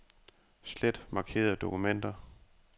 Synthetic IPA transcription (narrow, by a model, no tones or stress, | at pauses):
sled̥mɑ̈kʰe̝̰ːɐð̩ˠd̥o̝kʰumen̰d̥ɐ